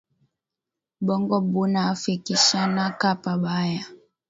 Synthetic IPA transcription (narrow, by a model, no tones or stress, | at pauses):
ɓɔŋɡɔɓunaːfikiʃanakapaɓaja